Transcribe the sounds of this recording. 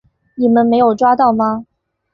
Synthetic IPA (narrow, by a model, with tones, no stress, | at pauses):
ni˨˩mə˦nme˧˥ɪjo˨˩ʊʈ͡ʂwa˥t̪ɑ˥˩ʊmɐ˧